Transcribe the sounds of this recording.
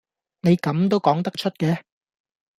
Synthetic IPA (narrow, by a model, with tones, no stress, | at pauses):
ne˨˧jkɐ˨˥mt̪̬o˥wkɔː˨˥ŋt̪ɐ˥k̚t͡ʃʰɵ˥t̚kɛː˧